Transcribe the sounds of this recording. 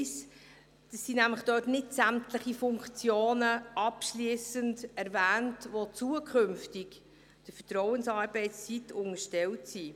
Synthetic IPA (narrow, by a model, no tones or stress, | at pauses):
s | d̥əsːinæmləχd̥øːtnɪtsæmtləχifʊŋkt͡sjoːnəʔɑpʃliːəsəndɛɾvæːntʋot͡suəkʰχɵmftɪk | d̥əfətɾɔwənsɑːɾbɛɪst͡sitʊŋəʃtɛltsi